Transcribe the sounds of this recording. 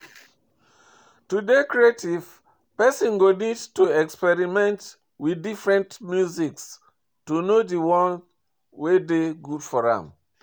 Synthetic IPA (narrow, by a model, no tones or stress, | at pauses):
tudekɹietiv̥ | pɛsɔ̃nɡonidtuɛkspɛɹimɛ̃nt | widifɹɛ̃ntmjuziks | tunodiwɔ̃n | wedeɡudfɔɹã̰m